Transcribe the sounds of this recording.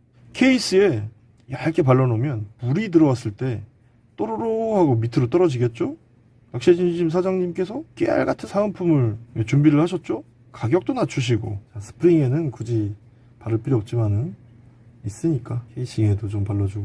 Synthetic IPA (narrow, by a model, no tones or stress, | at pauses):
kʰe̞is͈ɯe̞ | jaɭk͈ʰe̞paɭːʌnomjʌnpuɾit̬ɯɾʌwas͈ɯɭt͈e̞ | t͈ʌɾoɾohaɡomitʰɯɾot͈ʌɾʌd͡ʑiɡe̞t̚t͡ɕ͈o | ak̚ɕ͈ed͡ʑinid͡ʑimsʰad͡ʑaŋɲimk͈e̞sʰʌk͈ea̰ɭɡatʰɯnsʰaampʰumɯɭjet͡ɕumbiɾɯɭhaɕ̬ʰʌt̚t͡ɕ͈o | kaɡjʌk̚t͈onat͡ɕʰuɕ̬ʰiɡo̰t͡ɕasʰɯ̥pʰɯɾiŋe̞nɯnkud͡ʑi | paɾɯɭp͈ʰiɾjʌp̚t͡ɕ͈imanɯn | is͈ɯɲik͈akʰeis͈ʰiŋedot͡ɕompaɭːʌd͡ʑuɡo